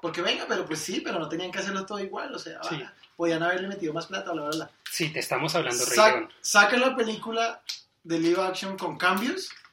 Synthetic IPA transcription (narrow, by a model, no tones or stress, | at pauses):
po̞ɾke̞βe̞ŋɡape̞ɾo̞pwe̞sːipe̞ɾo̞no̞t̪eniaŋke̞as̬e̞ɾlot̪o̞ðoiɣwalose̞a̰βaiapoð̞ianaβ̞e̞ɾle̞me̞t̪iðo̞masplat̪aβlaelasit̪est̪amosaβland̪oresaonsakanloape̞likula | ðe̞liβaksjo̞ŋko̞ŋkambjos